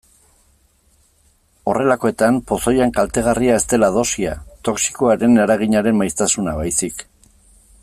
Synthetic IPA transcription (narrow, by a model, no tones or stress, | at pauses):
o̞re̞lako̞e̞t̪ampo̞so̞jaŋkalt̪e̞ɣ̞ariae̞st̪e̞lað̞o̞sia̰t̪o̞ksi̥koaɾe̞naɾaɣ̞iɲaɾe̞mmajst̪asunaβajsik